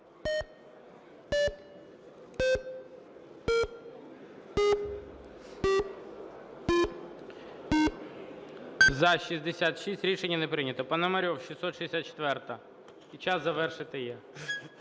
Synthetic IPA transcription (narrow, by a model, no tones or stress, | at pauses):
zɐʃizʲd̪esʲat̪ʃisʲtʲɾʲiʃenʲːɐnepɾɪnʲɐt̪ɔpɐnɐmɐɾʲɔwʃisɔt̪ʃid̪esʲat̪̚t͡ʃe̥t̪ʋɛrt̪ɐ | it͡ʃɑsɐʋɛrʃɪt̪ɪjɛ